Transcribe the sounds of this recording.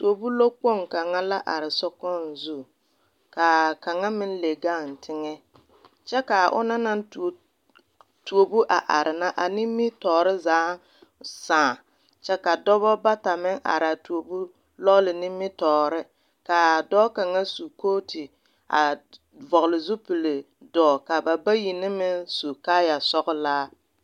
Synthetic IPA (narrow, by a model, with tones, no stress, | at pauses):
tu˨o˨bu˦lo˦k͡po˦˨ŋka˨ŋa˦la˦ʔa̰˨ɾɪ˨sɔ˦kɔ˦n̩˨zu˦˨ | ka˨ka˨ŋa˦mɪ˦n˦le˨ɡa˦˨n̩˨tʰɪ˦ŋɛ˦ | t͡ʃɛ˦ka˨ʔʊ̰˦na˦na˦n˨ | tu˨o˨bu˦ʔa˨ʔa˨ɾʔɪ˨na˦ʔa˨nɪ˦mːɪ˦tɔː˨ɾɪ˦zaː˨˦ | sãː˨ | t͡ʃɛ˦ka˨dɔ˦βɔ˦ba˦ta˨mɪ˦ŋʔa̰˨ɾa˨tu˨o˨bu˦ | lɔ˦lɪ˨nɪ˦mɪ˦tɔː˨ɾɪ˦ | ka˨dɔː˦ka˨ŋa˦su˨koː˦tʰɪ˨ | a̰˨ | vɔ˨ɣlɪ˨zʊ˦pi˨le˨ | dɔː˨ka˨ba˨ba˦ji˨nɪ˦mɪ˦nsu˨ka˦ja˨sɔ˦ɣʊ˦laː˦